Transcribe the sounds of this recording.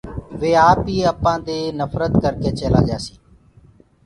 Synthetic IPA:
ʋeːaːpɦiːəpãːd̪eːnəfʰɾət̪kəɾkeːt͡ʃeːla̰ːd͡ʒaːsiː

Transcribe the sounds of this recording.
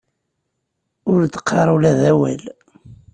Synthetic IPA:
ʊɾd̪ə̥qʰːɑɾˤulæðæwæl

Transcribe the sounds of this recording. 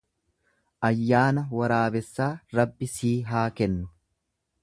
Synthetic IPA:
ʔɐjːaːnɐwɐɾaːbɛsːaːɾɐbːɪsiːɦaːkɛnːʊ

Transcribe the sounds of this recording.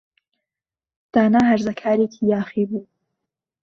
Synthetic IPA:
d̪̥aːnaːɦɐɾzɐkʰaːɾekʰiːjaːxiːbuː

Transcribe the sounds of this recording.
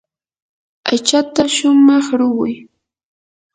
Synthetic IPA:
ajt͡ʃat̪aʃʊmɑχɾʊwʊj

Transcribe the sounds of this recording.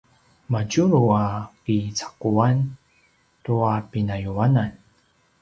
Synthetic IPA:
maɟuɾuapit͡sḁkuan | tuapinajuanan

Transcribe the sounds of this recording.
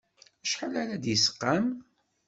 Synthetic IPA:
æʃħəlaɾæd̪jəsə̥qːam

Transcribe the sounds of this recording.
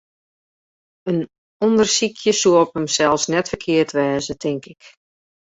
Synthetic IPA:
ən | ɔndərsikʰjəsuəpəmsɛlˠfsnɛtfərkʰɪərtʋɛːzətʰɪŋkɪk

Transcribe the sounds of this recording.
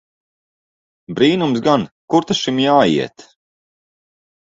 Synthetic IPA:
bɾiːnumsɡankuɾt̪aʃimjaːḭɛt̪

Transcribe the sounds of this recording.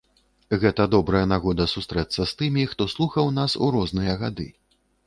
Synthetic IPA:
ɣɛt̪ɐd̪ɔbɾɐjɐnaɣɔd̪ɐsust̪ɾɛt̪sɐst̪ɨmʲixt̪ɔslˠuxɐwnasuɾɔznɨjɐɣad̪ɨ̰

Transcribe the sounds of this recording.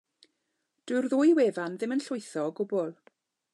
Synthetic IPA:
d̥wɨrðʊːjweːvanðɪmənɬʊɨθɔɡʊbʊlˠ

